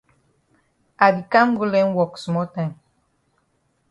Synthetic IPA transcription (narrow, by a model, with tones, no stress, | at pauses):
a˨di˨kã˦mɡu˦lɛ̃˦nwɔ˨ksmɔ˦tã˦˨jm